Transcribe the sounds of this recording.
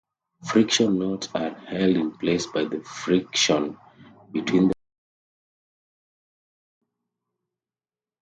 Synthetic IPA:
fɹikʃɔ̃nːɔtsahɛldĩnplesbaɪðəfɹikʃɔ̃n | bitʰwĩnd

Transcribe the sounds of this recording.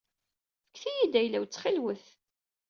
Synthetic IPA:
fə̥kːθijid̪æjlæwt͡sːχilwəθ

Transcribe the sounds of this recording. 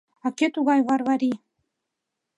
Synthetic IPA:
ɑket̪uɣɑjβɑɾβɑɾi

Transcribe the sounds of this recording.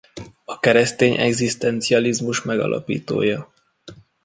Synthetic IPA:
ɒkɛɾɛst̪eːɲʔɛ̰ɡzist̪ɛnt̪siɒlizmuʃmɛɡɒ̰lʔɒ̰pḭːt̪o̰ːjɒ

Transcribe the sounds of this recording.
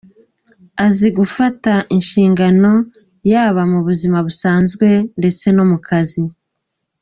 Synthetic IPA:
aziɡufataʔinʃiːŋɡano̞ | jaːβamuβuzimaβusaːnzɡwe̞nde̞t͡se̞no̞mukazi

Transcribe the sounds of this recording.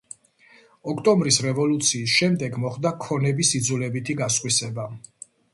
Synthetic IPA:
ɔkʰt̪ʼɔmbɾisɾɛvɔlut̪sʰiːs̬ʃɛmd̪ɛɡmɔχd̪akʰɔnɛbisid̪zulɛbit̪ʰiɡasqʼwisɛba

